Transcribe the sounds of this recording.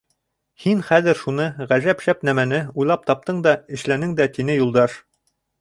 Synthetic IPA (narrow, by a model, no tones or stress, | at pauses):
hinχæðɘ̆ɾʃunɤʁæʒæpʃæpnæmænɘujlˠɑp̚t̪ɑp̚t̪ɤɴd̪ɑɘ̆ʃlænɘŋd̪æt̪inɘjulˠd̪ɑʃ